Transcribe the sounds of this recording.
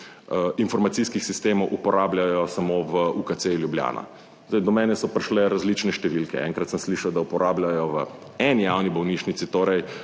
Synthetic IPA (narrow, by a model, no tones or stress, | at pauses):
infɔɾmat̪siskixsist̪eːmɔwʔupɔɾaːbljajɔsamoʋəukatseljublja̰ːna̰ | zd̪aɪjd̪ɔmɛːnɛsɔpɾʲʃlɛɾazlit͡ʃnɛʃt̪ɛʋilkɛ̰ɛ̰ŋkɾat̪səmsliʃawd̪aupɔɾʔaːblʲjajɔʋə̰ | ɛnijawnibɔwniːʃnit̪sit̪oːɾɛj